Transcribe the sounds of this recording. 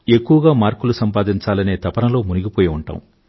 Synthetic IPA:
e̞kːuʋɐɡaːmaːɾkulusɐmpaːd̪iɲt͡ʃaːlɐne̞ːt̪ɐpɐnɐlo̞ːmuniɡʲipoːjiuɳʈa̰ːm

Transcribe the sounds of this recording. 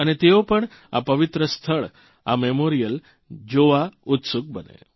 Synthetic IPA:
añet̪eopəɳ | a̰pəʋit̪ɾəst̪ʰəɭ | a̰memoɾijəl | d͡ʑoʋaut̪suk̚bənḛ

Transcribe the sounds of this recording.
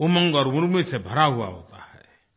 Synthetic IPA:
omə̃ŋɡɔːɾʊɾmisebʱəɾaɦua̰ɦo̰ːt̪ahɛ̰

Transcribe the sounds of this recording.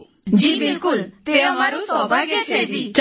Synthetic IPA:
d͡ʒibilkult̪eɔmaɾusɔbʱajket͡ʃʰed͡ʑit͡ʃ

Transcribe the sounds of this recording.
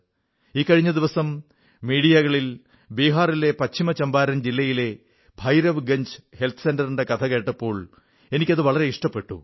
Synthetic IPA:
iːkːɐɻiɲːɐd̪iʋɐsɐmː | iːɽijɐɣɐɭil | biːɦaːrile̞pɐt͡ɕʰimɐt͡ɕɐmbaːɾɐnd͡ʑilːɐjile̞ | bʱɐjɾɐʋɡɐɲd͡ʑhe̞lt̪ʰɨsendɐriɳɖe̞kɐt̪ʰɐke̞ːʈːɐpːo̞ːɭ | e̞nikʲːɐðɨʋɐɭɐɾe̞iʂʈɐpːe̞ʈːṵ

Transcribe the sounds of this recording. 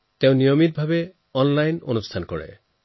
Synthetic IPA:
teʊ̃nijomit̚bʱabɛ | ɔnlajno̰nustʰankɔɹɛ̰

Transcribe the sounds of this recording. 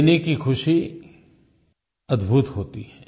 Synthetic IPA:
nekixʰʊʃi | ɐd̪bʱut̪ɦoːt̪iɦɛː

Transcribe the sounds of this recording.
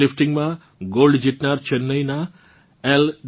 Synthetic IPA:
ɪfʈɪŋɡmã | ɡolɖd͡ʒiʈnaɾt͡ʃʰənːəina | eld̪

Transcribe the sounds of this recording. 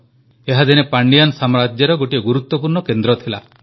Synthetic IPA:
eɦad̪inepaɳɖiansamɾad͡ʒjaɾɔɡoʈijɔɡuɾut̪ːɔpuɾɳɔkend̪ɾɔt̪ʰila

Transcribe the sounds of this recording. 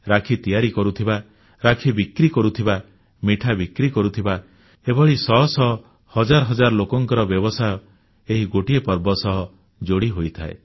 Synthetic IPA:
ɾakʰit̪ijaɾikɔɾut̪ʰiba | ɾakʰibikɾikɔɾut̪ʰiba | miʈʰabikɾikɔɾut̪ʰiba | ebɔɭisɔɦɔsɔ | hɔd͡ʒaɾɔɦɔd͡ʒaɾɔlokɔŋkɔɾɔbjɔbɔsajɔ | eɦiɡoʈiepɔɾbɔsɔɦɔ | d͡ʒoɽiɦojt̪ʰa̰ḛ

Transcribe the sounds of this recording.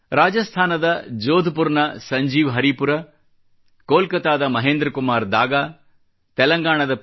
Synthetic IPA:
ɾaːd͡ʒɐst̪ʰaːnɐd̪ɐd͡ʒoːd̪ʱupuɾnɐsɐɲd͡ʒiːʋɦɐɾipuɾɐ | koːlkɐt̪aːd̪ɐmɐɦeːnd̪ɾɐkumaːɾd̪ʱaːɡaː | t̪ɛlɐŋɡaːɳ̃ɐd̪ɐ

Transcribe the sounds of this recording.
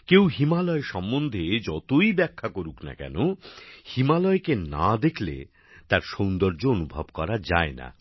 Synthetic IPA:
kewɦimalɔeʃɔmbond̪ʱed͡ʑɔt̪ojbɛkʰːakoɾukna̰kɛ̰nohimalɔekenad̪ekʰlḛ | t̪aɾʃownd̪oɾd͡ʑoonubʱabkɔɾad͡ʑaena̰

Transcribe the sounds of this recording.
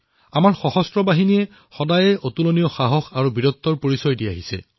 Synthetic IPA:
amaɹxɔxɔstɹɔbaɦiniɛ | xɔdajɛʔot̪ulonijɔxaɦɔxaɹubiɹɔt̪ːɔɹpoɹisɔjdiaɦisɛ̰

